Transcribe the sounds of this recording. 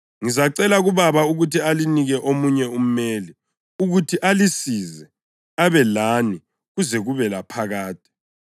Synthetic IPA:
ŋizaǀɛlaɣuβaβauɣutʰialiniɣɛʔomuɲɛum̩meːli | uɣutʰiʔalisizɛ | aβɛlaːni | ɣuzɛɣuβɛlapʰaɣaːt̚ʼi̥

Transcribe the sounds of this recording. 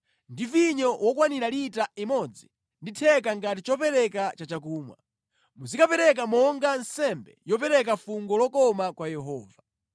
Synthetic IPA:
ndiviɲɔwʔɔkwaniɾalitaimɔd͡zi | nditʰɛk̬aŋɡatit͡ʃɔpɛɾɛkat͡ʃat͡ʃak̬uːmwa̰ | muzikapɛɾɛk̬amɔŋɡansɛmbɛjɔpɛɾɛk̬afuŋɡɔlɔkɔmakwajɛɦɔːva

